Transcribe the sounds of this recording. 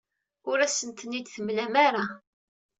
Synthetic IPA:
ʊɾæsənt̪ənid̪θəmlæmaɾa

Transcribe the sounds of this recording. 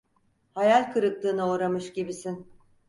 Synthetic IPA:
hajalʲkʰɯɾɯk̚t̪ˠɯːnɯuːɾamɯʃɟibisin

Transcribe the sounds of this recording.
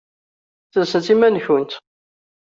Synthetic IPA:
θəsət͡s̪imænçʊnt̪

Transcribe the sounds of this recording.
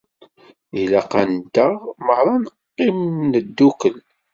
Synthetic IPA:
ilaqand̪əʁməʁɾˤɑnqːimnəd̪ːukəl

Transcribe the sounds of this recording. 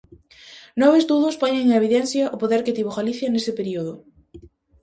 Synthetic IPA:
nɔβezd̪uðʊspoɲẽŋeβiðɛnθjɐʔopoðɛɾket̪iβoɣaliθjanesepeɾioð̞ʊ

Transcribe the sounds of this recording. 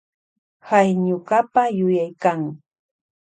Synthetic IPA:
hajɲʊkapajʊjajkaŋ

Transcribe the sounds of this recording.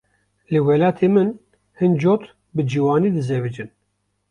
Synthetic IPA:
lɨwɛlɑːt̪ʰeːmɨn | hɨnd͡ʒoːt̪ | bɨd͡ʒiwɑːniːd̪ɨzɛbɨd͡ʒɨn

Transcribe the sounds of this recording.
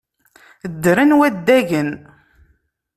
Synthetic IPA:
d̪ːɾənwæd̪ːæʝən

